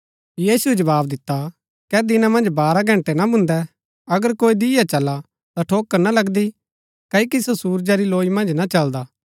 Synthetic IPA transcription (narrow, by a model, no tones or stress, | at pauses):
jiːsued͡ʒɐbaːbd̪ɪt̪ːa | kɛd̪ɪnamɐ̃nd͡ʒbaːɾaɡʱɐ̃ɳʈɛnabʱʊ̃nd̪ɛ | ɐɡəɾkoːid̪ɪjat͡ʃɐla | t̪aʈʰoːkːəɾnalɐɡd̪i | kɐikisosuːɾd͡ʒaɾiloːimɐ̃nd͡ʒnat͡ʃɐld̪aː